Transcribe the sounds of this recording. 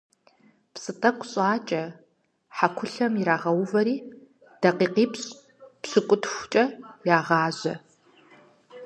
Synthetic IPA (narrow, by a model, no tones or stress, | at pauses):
psɨtʼɐkʷʼɕʼaːt͡ʃʼɐ | ħakʷʰʊɬɐmjɪɾaːʁɐwʊvɐɾiː | d̥ɐqiːqiːpɕ | psɨkʷʼʊtʰxʷt͡ʃʼɐjaːʁɑːʑɐ